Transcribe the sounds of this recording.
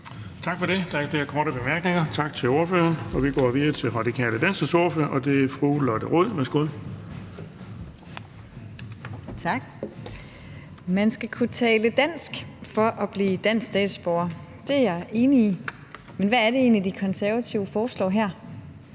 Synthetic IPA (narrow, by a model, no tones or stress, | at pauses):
t͡sʰɑ̈ɡ̥fɒ̽ɾ̥e̝d̥ɑ̈æɐfleɐkʰɒːɾəb̥e̝mæɐɡ̥ne̝ŋɐt͡sʰɑ̈ɡ̥t͡sʰe̝lo̝ːɐfø̰ːɐnɒ̽ʋiɡ̥ɒ̰ːʋiðˠɐt͡sʰe̝lʁɑ̈dikʰɛ̰ːləd̥æn̰sɡ̥əso̝ɐføɐʔɒ̽d̥e̝æɐfʁulɒd̥əʁoð̰ˠʋæɐsɡ̥o̝ð̰ˠ | t͡sʰɑɡ̥ | mænsɡ̥ækʰut͡sʰɛːləd̥æn̰sɡ̥fɒ̽ʔɒb̥liːd̥æn̰ssd̥ɛ̰ːd̥sb̥ɒʊɐd̥e̝jɑɪʔe̝ːnii | menʋææɐɾe̝e̝̰ːnlid̥ikʰɒ̽nsæɐʋæt͡sʰiʊəfɒːslɒ̰ːɦæɐ̰